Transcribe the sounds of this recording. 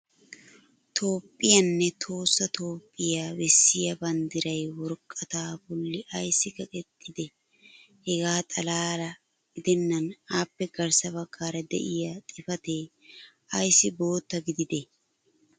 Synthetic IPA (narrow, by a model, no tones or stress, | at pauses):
t̪ʰo̞ːpʼːɪjɐnːɛt̪ʰo̞ːsːɐt̪ʰo̞ːpʼːɪjaːwɛsːɪjɐbɐnd̪ɪɾɐjwɔɾkʼːɐt̪aːbʊlːɪʔɐjsːɪkɐkʼɛt̪ʼːɪd̪ɛ | hɛɡaːt̪ʼɐlaːɾɐ | ɡ̥ɪd̪ɛnːɐnaːpːɛɡɐɾsɐbɐkːaːɾɐd̪ɛ̰ʔɪjat̪ʼɪfɐt̪eː | ɐjsːɪbo̞ːt̪ːɐɡɪd̪ɪd̪ɛ